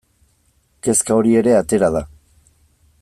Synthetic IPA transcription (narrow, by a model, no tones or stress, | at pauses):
ke̞skao̞ɾie̞ɾe̞at̪e̞ɾaða